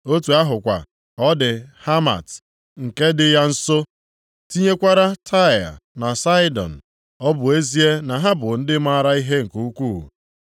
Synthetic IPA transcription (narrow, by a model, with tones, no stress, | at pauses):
o˦tu˨a˦ɦʊ˨kʷa̰˨ | ɔ˦dɪ˨ha˦ma̰˨t | ŋ̩˨ke˦dɪ˨ja˦n̩˦so˦ | ti˦ɲe˦kʷa˦ɾa˦tʰa˦˨a̰˨na˨sa˦ɪ˦dɔ̰˨n̩˨ | ɔ˦bʊ˨e˦zi˦e˦na˨ɦa˦bʊ˨n̩˦dɪ˦ma˦a˦ɾa˦i˦ɦe˦ŋ̩˨ku˦u˦kʷṵː˦˨